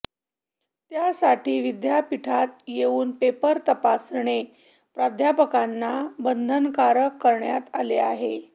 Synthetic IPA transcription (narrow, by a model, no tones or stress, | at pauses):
t̪jasaʈʰiːʋid̪japiʈʰat̪̚jeuːnpepəɾt̪əpasɳe | pɾad̪ʱjapəkanːabənd̪ʱənkaɾəkːəɾɳjat̪aleaɦe